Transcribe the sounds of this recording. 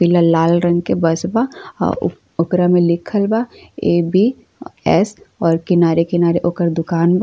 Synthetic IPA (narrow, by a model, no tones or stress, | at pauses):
pɪlalaːlɾɐ̃ŋɡkebɐsba̰ | ʊkɾamẽlɪkʰəlbaeːbi | ɛsɔːɾkɪnaːɾekɪnaːɾeʔokəɾd̪ʊkaːnb